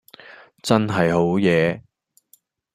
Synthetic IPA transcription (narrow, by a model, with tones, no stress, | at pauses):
t͡sɐ˥nɦɐ˨jɦo˨˥wjɛː˨˧